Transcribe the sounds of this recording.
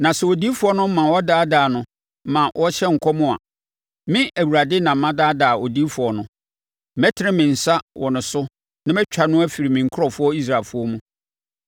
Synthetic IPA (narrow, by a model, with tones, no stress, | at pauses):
nã˨sɛ˨wo˨di˦fʊ˨˦ɔ˦nʊ̃˦m̩˦mã˨wɔ˦daː˦daː˨nʊ̃˦ | mã˨wʔɔ˦ɕɛ˦ŋ̩˨kʰɔ˦mʊ̃˦a̰˨ | mɪ̃˦ʔæ˨wu˨ɾa˨dɪ˦nã˨m̩˦mã˦daː˦daː˨o˨di˦fʊ˨ɔ˨nʊ̃˦˨ | mɛ˦tʰɪ˦ɾɪ˦mɪ̃˨n̩˨sa˦wɔ˨nʊ̃˨sʊ˦ | nã˦mɛ˦t͡ɕᶣa˨nʊ̃˦æ˦fi˨ɾi˨mɪ̃˨ŋ̩˨kʰʊ˦ɔ˨fʊ˦ɔ˦i˦s̬ɾaː˨fʊ˦ɔ˦mũ˦